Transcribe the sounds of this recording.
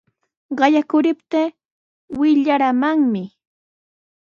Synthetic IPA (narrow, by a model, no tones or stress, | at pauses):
ɢɑjakʊɾɪpt̪eː | wɪʎaɾamaŋmɪ